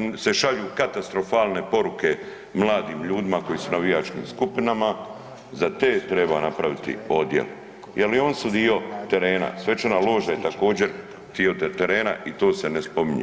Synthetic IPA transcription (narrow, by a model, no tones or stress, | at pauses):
se̞ʃaʎuːkat̪ast̪ɾo̞faːlˠne̞po̞ɾuke̞ | mlˠaːd̪iːmʎuːd̪imako̞jisunaʋijaːt͡ʃkḭːmskupinama | zat̪eːt̪ɾe̞ba̰napɾaʋit̪ḭo̞d̪jḛl | jʔelio̞ːnsud̪io̞t̪e̞ɾe̞ːna̰sʋe̞t͡ʃanalˠo̞ːʒaje̞t̪ako̞ːd͡ʑe̞ɾ | t̪iot̪eɾe̞ːna̰ʔit̪o̞ːse̞nespo̞miɲṵ